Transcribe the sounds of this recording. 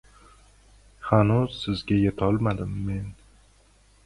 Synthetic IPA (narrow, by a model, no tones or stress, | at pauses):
hanuz̥sɪzɡʲajet̪ʰɒlˠmad̪ɪmːe̞n